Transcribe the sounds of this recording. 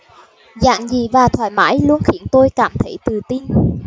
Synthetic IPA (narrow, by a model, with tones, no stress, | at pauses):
za̰ː˧˨ŋzi˨˩vaː˨˩t̪ʰwaː˧˩jma̰ː˧˥jlu˧ənxi˧˩ənt̪o˧jkaː˧˩mt̪ʰə˧˩jt̪ɨ˨˩t̪i˧n